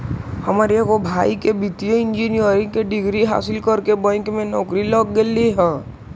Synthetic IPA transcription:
həmaːɾikobʱaːikebɪt̪ijoɪ̃nd͡ʒinijəɾɪ̃ŋkeɖɪɡɾiɦa̰ːsɪlkəɾkebə̃ɪŋkmẽnɔːkɾilɔːkɡelːiɦɛ̃ː

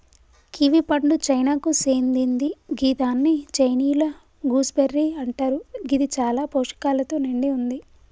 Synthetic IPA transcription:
kiʋipɐɳɖut͡ʃɐjnaːkuseːnd̪ind̪iɡiːt̪aːnːit͡ʃɐjniːlɐ | ɡuːsbeɾːiːɐɳʈaːɾuɡid̪it͡ʃaːlaːpoːʂɐ̥kaːlɐt̪oːniɳɖiund̪i

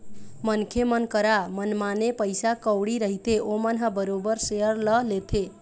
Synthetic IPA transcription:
mənkʰemənkəɾamənmanepəjsakəwɽiɾəɦit̪eʔomənɦəbəɾobəɾseɦəɾləlet̪ʰe

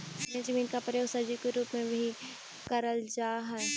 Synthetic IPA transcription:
mẽzɐmiːnkapɾəjoːɡsɐd͡ʒikeɾuːpmẽbʱi | kɐɾəld͡ʒaːɦɛː

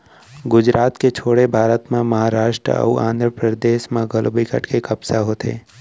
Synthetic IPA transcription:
ɡʊd͡ʒɾaːt̪ket͡ʃʰoːɽebʱaːɾət̪mẽməɦaɾaːʃʈɾə̰ə̰uã̰ːnd̪ʱɾəpɾəd̪eːʃmẽɡəlbikə̰ʈkekəbsaɦoːt̪ʰḛː

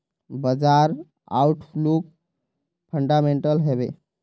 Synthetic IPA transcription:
bəd͡zaɾ | a̰wʈʰfluk̚ | fʰəɳɖameɳʈəlɦeʋḛ

